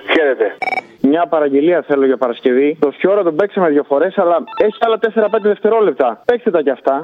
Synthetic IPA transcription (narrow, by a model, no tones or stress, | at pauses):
fçeɾet̪e | mɲɐpɐɾɐɲɟe̞liɐθe̞loʝɐpɐɾɐsce̞vit̪o̞sço̞ɾɐt̪obe̞ksemeðʝofo̞ɾe̞sɐlɐe̞çiɐlɐt̪e̞seɾɐpe̞nd̪eðeft̪e̞ɾo̞lep̚t̪ɐpe̞kst̪et̪ɐceɐft̪ɐ